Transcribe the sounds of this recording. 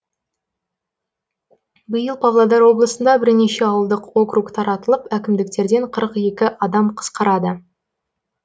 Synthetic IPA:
bəjəlˠpʰavlˠad̪ɑɾwo̞blˠəsənd̪ɑbɪɾne̞ʃe̞ɑwəlˠd̪əqwo̞krukt̪ʰɑɾɑt̪əlˠəpækʲɪmd̪ɪk̚t̪e̞ɾd̪e̞ɴqʰəɾəqe̞kʲɪʔɑd̪ɑmqʰə̥sqɑɾɑd̪ə

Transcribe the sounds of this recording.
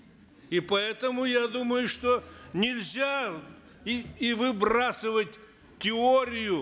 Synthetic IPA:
ipɐɛt̪əmʊjad̪uməjʊʂt̪onʲɪlʲzʲa | ivɨbrasɨvətʲ | tʲːɪoɾʲɪjʊ

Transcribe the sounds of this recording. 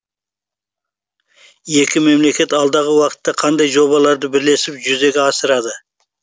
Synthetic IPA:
je̞kʲʰɪme̞mle̞kʲe̞t̪ɑlˠd̪ɑʁəwɑqə̥t̪ːɑqʰɑnd̪ɑjʒo̞βɑlˠɑɾd̪əbɪɾle̞sɪpʒʏze̞ɡʲɪɑsəɾɑd̪ə

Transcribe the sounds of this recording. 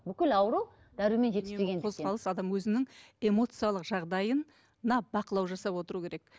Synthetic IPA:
bʏkʲɪlɑwəɾu | d̪̥æɾume̞nʒet̪seeɡʲed̪ʰo̞zʰɑlˠəsɑd̪ɑmwɵzɪnɪŋe̞mo̞t̪sɨjalˠəqʒɑʁd̪ɑjən | nɑbɑqəlˠɑwʒɑsɑpwo̞t̪əɾukʲʰeɾe̞k

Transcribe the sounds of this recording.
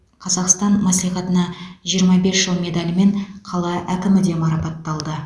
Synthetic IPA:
qʰɑzɑqst̪ɑnmɑslijχɑt̪ənɑʒijəɾmɑbe̞sʒ̥əlˠmʲe̞d̪alʲɪme̞ɴqʰɑlˠɑʔækʲɪmɪd̪e̞mɑɾɑpɑt̪ːɑlˠd̪ə

